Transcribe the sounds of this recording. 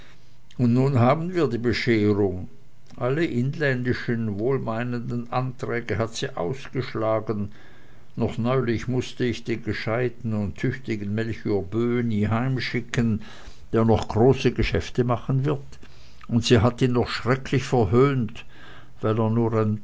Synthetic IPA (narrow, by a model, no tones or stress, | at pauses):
ʊntnuːnɦaːbən̩viːɐdiːbəʃeːʁʊŋ | ʔaləʔɪnlɛndɪʃənvoːlmaɪnəndən̩ʔantʁ̥ɛːɡəɦatz̥iːʔa̰ʊsɡ̥əʃlaːɡənː | ɔχnɔʏlɪçmʊstəɪçd̥eːnɡəʃaɪtn̩ʊntʰːʏçtɪɡən̩mɛlçyːɐbøːniːɦaɪmʃɪkən | d̥eːɐnɔχɡ̥ʁoːsəɡəʃɛftəmaχənvɪɐt | ʊntsiːɦatiːnːɔχʃʁ̥ɛkʰlɪçfɛɐɦøːnt | vaɪleːɐnuːɐʁaɪn